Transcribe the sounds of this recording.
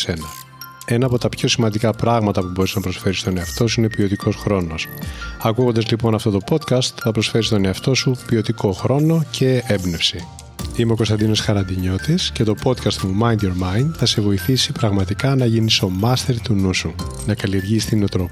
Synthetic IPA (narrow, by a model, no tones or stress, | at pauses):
se̞nɐ | e̞nɐːpot̪ɐpço̞simɐnd̪ikɐpɾɐɣmɐt̪ɐpubo̞ɾiznɐpɾo̞sfe̞ɾist̪o̞ne̞ɐft̪o̞s̬uine̞pio̞t̪ikʰo̞sxɾo̞no̞sɐkuɣond̪ɐzlipo̞nɐft̪o̞t̪o̞po̞t̪kɐst̪θɐpɾo̞sfe̞ɾist̪o̞ne̞ɐft̪o̞supio̞t̪iko̞xɾo̞no̞cʰe̞ebne̞fsi | imeo̞ko̞st̪ɐnd̪ino̞sxɐɾɐnd̪iɲo̞t̪isce̞t̪o̞po̞t̪kɐst̪mumɐjnd̪joɾmɐjind̪θɐse̞vo̞iθisipɾɐɣmɐt̪ikɐnɐʝiniso̞mɐst̪eɾt̪unusu | nɐkɐlie̞ɾʝist̪ininot̪ɾop